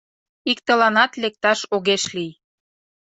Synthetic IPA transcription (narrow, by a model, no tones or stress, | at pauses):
ikt̪ə̆lɑnɑt̪lek̚t̪ɑʃoɣeʃlij